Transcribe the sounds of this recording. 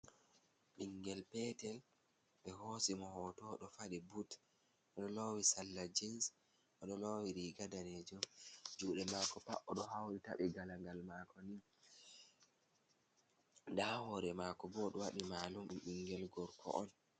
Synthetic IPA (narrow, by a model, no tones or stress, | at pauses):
ɓiŋɡɛlpɛtɛl | ɓɛhosimɔhɔtɔɗɔfaɗɛbut | ʔɔɗɔlowisalːad͡ʒins | ʔɔɗɔlowiɾiɡadaned͡ʒɔmd͡ʒuɗɛmakɔpaʔɔɗɔɦawɾita̰ɓɛɡalaŋɡalmakʰɔnin | dahɔɾɛmakɔbɔɗɔwaɗimalumɗumɓiŋɡɛlɡɔɾkʰɔ̰ʔɔn